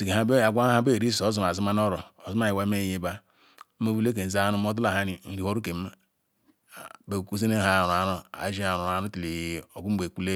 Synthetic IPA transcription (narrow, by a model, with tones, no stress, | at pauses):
si˨ke˨ha˦be˦a˨ɡʷa˦a˦be˦˨ɾi˦so˨˦zu˨m˨a˨zi˦ma˦n˦o˦ɾo˨o˨zu˦ma˦ji˨wa˦me˦˨je˦ba˦ | mo˦vu˦le˦k̬e˨n̩˨za˦nu˦m˦o˦du˦la˨ɦa˦ni˨n̩˨ɾi˨ho˦ɾu˦ke˨˦˨ | be˨ku˦ze˦ne˦˨a˨n˨a˨˦no˦a̰˨˦d͡ʒi˦a˨u˨a˨nu˦ti˨li˨o˨ɡu˦be˨ku˦le˦